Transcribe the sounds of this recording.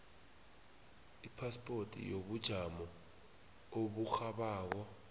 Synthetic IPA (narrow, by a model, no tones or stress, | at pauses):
ipʰaspʼortʼḭjoɓud̥ʒ̥ʱamɔ | oɓuxaɓaːk̬ɔ